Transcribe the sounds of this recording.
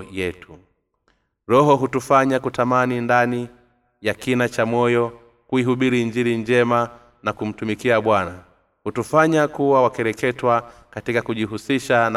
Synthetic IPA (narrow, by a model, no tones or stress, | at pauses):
jɛtʰu | ɾɔɦɔɦutufaɲakutamanindani | jakinat͡ʃamɔjɔ | kuiɦuɓiɾiɲd͡ʒiɾiɲd͡ʒɛma | nakum̩tumikiaɓwana | hutufaɲakuwawakɛɾɛkɛtwakatikakuʄiɦusiʃan